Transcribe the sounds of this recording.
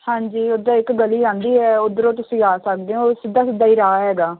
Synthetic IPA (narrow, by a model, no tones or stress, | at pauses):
hãːɲd͡ʒiːod̪aːɪkɡəliːd͡ʒãːnd̪iːɦɛːʊd̪əɾõːt̪̬ʊsĩːaːsək̚d̪eːoːsɪd̪ːaːsɪd̪ːaːiːɾaːɦɛːɡaː